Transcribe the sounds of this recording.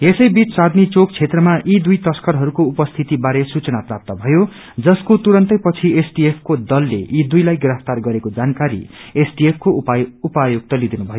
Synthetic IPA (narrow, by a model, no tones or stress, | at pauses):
esʌjbit͡ssad̪nit͡sok̚t͡sʰet̪rʌmaʔid̪ujt̪ʌskʌɾɦʌɾukoupʌst̪ʰit̪ibaɾesut͡sʌnaprap̚t̪ʌbʱʌjo | d͡zʌskot̪uɾʌnt̪ʌjpʌt͡sʰiesʈiepʰkod̪ʌlːḛʔid̪ujlajɡrʌpt̪arɡʌɾekod͡zankaɾḭesʈiepʰkoupajoɡ̚t̪ʌlid̪inubʱʌjo